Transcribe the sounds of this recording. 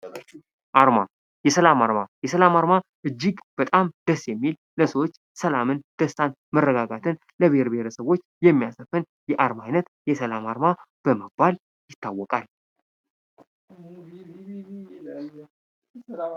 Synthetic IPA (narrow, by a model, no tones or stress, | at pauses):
ʔaɾma | jɛsəlamaɾmajɛsəlamaɾmaʔɨd͡ʒːiɡb̥ət̪ʼamd̪̥əsːjɛmːil | ləsəwo̞t͡ʃː | səlamɨnd̪̥əst̪an | mərːəɡaɡat̪ʰɨn | ləβehɾbeɾəsəβo̞t͡ʃːjɛmːijasəfɨn | jɛʔaɾmajnət̪jɛsəlamaɾma | b̥əməbːal | jɪt̪ʰːawːɔkʼal